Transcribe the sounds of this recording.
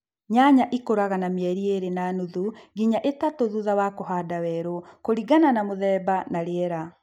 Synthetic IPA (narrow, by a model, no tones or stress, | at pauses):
ɲaɲaʔikoɾaɣanameɛɾieɾenanuðuɡiɲaʔetatoðuðawakoɦadawɛɾokoɾiɡananamoðɛːbanaɾeɛɾa